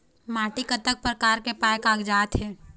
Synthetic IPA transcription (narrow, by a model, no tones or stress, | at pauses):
maːʈikət̪ək̚pɾəkaːɾkepaːjkaːkd͡ʒaːt̪ɦɛː